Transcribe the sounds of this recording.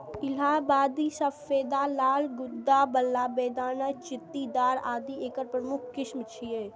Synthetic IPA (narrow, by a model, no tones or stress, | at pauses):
ɪlaːbaːd̪isɐfeːd̪aːlaːlɡʊd̪ːabəlːaːbeːd̪aːnat͡ʃɪt̪ːid̪aːɾaːd̪ieːkəɾpɾəmʊkʰkɪʃmt͡ʃʰieː